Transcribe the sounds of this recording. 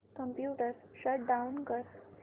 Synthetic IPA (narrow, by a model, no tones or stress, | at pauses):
kəmpjuʈəɾɕəʈ̚ɖaunkəɾ